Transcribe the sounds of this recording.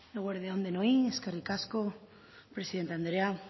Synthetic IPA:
naɣweɾðjaond̪enoieskarikasko | pɾe̞siðent̪eand̪ɾea

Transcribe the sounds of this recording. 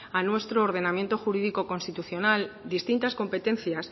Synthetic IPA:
anwe̞st̪ɾoːɾðe̞namje̞nt̪o̞xuɾiðiko̞ko̞nst̪it̪uθjo̞nald̪ist̪int̪asko̞mpe̞t̪ẽ̞nθjas

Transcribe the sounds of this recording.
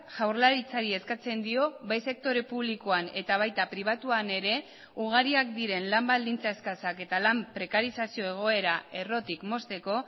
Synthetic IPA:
ʝawɾlaɾit͡saɾie̞skat͡se̞nd̪io̞βajse̞k̚t̪o̞ɾe̞puβliko̞ane̞t̪aβ̞ajt̪apɾiβ̞at̪uane̞ɾe̞ | uɣ̞aɾiakd̪iɾe̞nlambald̪int͡saeskasake̞t̪alampɾe̞kaɾisasio̞e̞ɣ̞o̞e̞ɾae̞ro̞t̪ikmo̞st̪e̞ko̞

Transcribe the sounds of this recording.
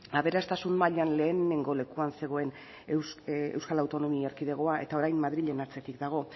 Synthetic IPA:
aβ̞e̞ɾast̪asunmaʎanle̞ːne̞ŋɡo̞le̞kuanse̞ɣ̞o̞e̞n | ewskalawt̪o̞no̞mieɾkiðe̞ɣ̞o̞aʔe̞̰t̪ao̞ɾajmmaðɾiʎe̞naɾt͡se̞t̪ikd̪aɣ̞o̞

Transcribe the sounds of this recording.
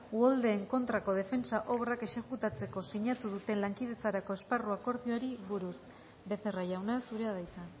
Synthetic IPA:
uold̪e̞ːŋko̞nt̪ɾako̞ð̞e̞fe̞nsaʔo̞βrake̞ʃakut̪at͡se̞ko̞siɲat̪uðut̪e̞nlaŋkið̞e̞t͡saɾako̞e̞sparuako̞ɾðioaɾiβuɾus | be̞θe̞raʝawnasuɾe̞að̞ajt͡sa

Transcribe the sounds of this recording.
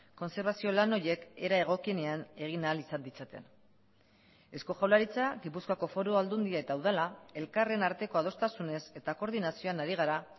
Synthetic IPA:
ko̞nse̞ɾβasio̞lano̞je̞ke̞ɾae̞ɣ̞o̞kie̞ne̞ane̞ɣ̞inalisand̪it͡sat̪e̞̰n | e̞sko̞ʝawlaɾit͡saɣipuskoako̞fo̞ɾoald̪und̪iae̞t̪awðalae̞lkare̞naɾt̪e̞ko̞að̞o̞st̪asune̞se̞t̪ako̞ɾðinasio̞anaɾiɣ̞aɾa

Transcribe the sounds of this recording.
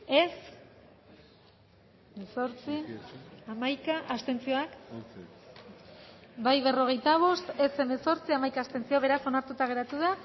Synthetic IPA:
e̞s | meso̞ɾt͡siamajkaʔast̪e̞nt͡sio̞ak | bajβe̞ro̞ɣ̞e̞jt̪aβ̞o̞st̪e̞se̞me̞so̞ɾt͡siamajkaːst̪e̞nt͡sio̞βe̞ɾaso̞naɾt̪ut̪aɣ̞e̞ɾat̪uða

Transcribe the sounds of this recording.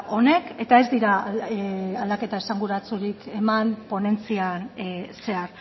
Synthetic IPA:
o̞ne̞ke̞t̪ae̞zd̪iɾa | ald̪ake̞t̪ae̞saŋɡuɾat͡suɾike̞mampo̞ne̞nt͡sianse̞aɾ

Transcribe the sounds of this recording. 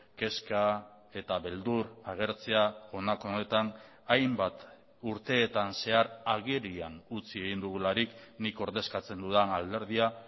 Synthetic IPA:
ke̞ska | e̞t̪aβe̞ld̪uɾaɣ̞e̞ɾt͡se̞ao̞nako̞ne̞t̪an | ajmbat̪ | uɾt̪e̞ːt̪anse̞aɾaɣeɾianut͡sieɣ̞ind̪uɣulaɾikniko̞ɾðe̞skat͡se̞nd̪uðanald̪e̞ɾðia

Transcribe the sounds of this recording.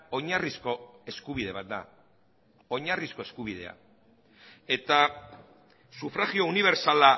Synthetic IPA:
o̞ɲarisko̞e̞skuβ̞iðe̞βat̪̚d̪a̰ | o̞ɲarisko̞e̞skuβið̞e̞̰a̰ | e̞t̪a | sufɾaɣio̞uniβ̞e̞ɾsala

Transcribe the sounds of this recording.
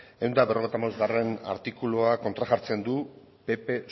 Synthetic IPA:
e̞wnd̪aβero̞ejt̪amawzɣare̞na̰ɾt̪ikuloako̞nt̪ɾaʝaɾt͡se̞nd̪u | pe̞pe̞

